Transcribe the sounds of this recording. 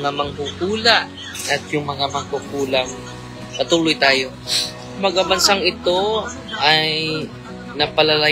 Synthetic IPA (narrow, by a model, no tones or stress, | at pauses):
ŋamɐŋkukuːlaʔ | ʔɐt̪̚jʊŋmɐŋamɐŋkukuːlaŋ | pɐt̪uːlojt̪aːjo̞ | mɐɡabɐnsaŋɪt̪o̞ | ʔaj | nɐpɐlɐlɐ